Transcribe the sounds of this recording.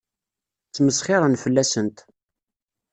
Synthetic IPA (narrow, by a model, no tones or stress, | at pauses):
t͡sːməsχɪɾˤənfəlːæsənt̪